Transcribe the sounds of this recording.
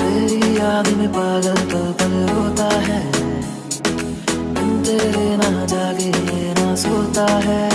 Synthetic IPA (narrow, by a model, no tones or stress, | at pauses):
t̪eːɾijaːd̪mẽpaːɡəlp̪ɐkəlɦoːt̪aɦɛː | ʊmt̪eːɾenad͡ʒaːkeenasoːt̪aɦɛː